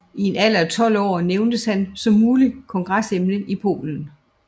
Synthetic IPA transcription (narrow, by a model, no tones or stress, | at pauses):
ie̝næl̰ɐt͡sʰɒ̽l̰ɒ̰ːneʊnd̥əshænsɒ̽mːuːlikʰɒ̽ŋɡ̥ʁasemnəʔipʰo̝̰ːln̩